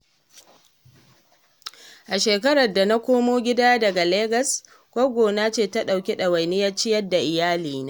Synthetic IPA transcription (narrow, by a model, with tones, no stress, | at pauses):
ʔa˨ʃeː˨kɐ˦ɾɐ˨rda˨na˦kʷoː˦moː˦ɡʲɪ˦daː˦dɐ˨ɡa˨leː˦ɡɐ˨s | kʷoː˦ɡʷoː˨na˦t͡ʃeː˦˨ta˦ɗa˨wkʲi˦ɗa˨wɐ˨jnɪ˦jɐ˦t͡ʃɪ˦jɐ˦dːa˨ʔɪ˨jaː˦liː˨naː˦